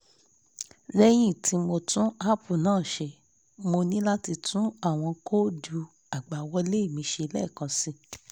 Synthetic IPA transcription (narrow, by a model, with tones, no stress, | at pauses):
ɾɛ˧j̃ĩ˦˨tʰi˨˧˦mo˧tũ˦a˦pu˨nãː˦˨ʃe˧ | mo˧nĩ˦la˦ti˧tʰũ˦a˦˨w̃ɔ̃˧ko˦du˧ | a˨ɡ͡ba˨wɔ˧le˦i˦˨mĩ˧˦ʃe˧lɛ̰˦˨kã˧si˧